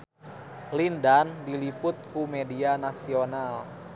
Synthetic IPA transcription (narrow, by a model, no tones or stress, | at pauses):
lindandilipʊt̪̚kumedianasional